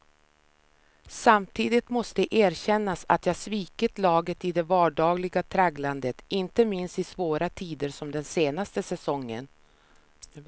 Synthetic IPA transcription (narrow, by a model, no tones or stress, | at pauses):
samt̪ʰiːd̪ɪt̪mɔst̪əʔeːɾɕɛnːasa̰t̪jɑːsviːkət̪lɑːɡət̪ɪd̪ɛvɑːɖɑːɡlɪɡat̪ʰɾaɡland̪ət̪ɪnt̪əmɪnst̪ɪsvoːɾat̪ʰiːd̪əɾʂɔmd̪ɛnseːnast̪əsɛsɔŋːə̰n